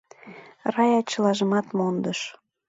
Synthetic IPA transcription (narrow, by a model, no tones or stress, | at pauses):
rɑjɑt͡ɕəlɑʒəmɑt̪mond̪əʃ